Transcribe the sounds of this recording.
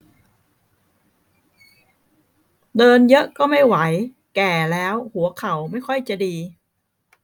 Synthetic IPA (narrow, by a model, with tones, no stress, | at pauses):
dɤː˧njɤ˦˥ʔkɔː˥˩ma˥˩jwa˩˦j | kɛː˨˩lɛː˦˥whu˩˦ɐkʰa˩˦wma˥˩jkʰɔ˥˩jt͡ɕa˨˩diː˧